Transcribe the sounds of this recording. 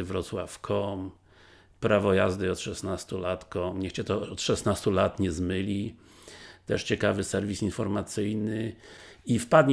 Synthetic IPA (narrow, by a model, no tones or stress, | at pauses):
vɾɔt̪swafkʰɔm | pɾavɔjazd̪ɘɔt̪ʂɛsnast̪ulat̪kɔmɲɛxt͡ɕɛt̪ɔɔt̪ʂɛsnast̪ulat̪ɲɛzmɘlʲi | t̪ɛʂt͡ɕɛkavɘsɛɾvʲisinfɔɾmat̪sɘjnɘ | ifpad̪ɲ